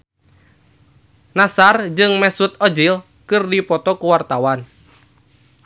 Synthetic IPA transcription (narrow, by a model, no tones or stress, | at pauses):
nasard͡ʒɨŋmɛsut̪̚ɔd͡ʒil | kɨrdipɔt̪ɔkuwart̪awan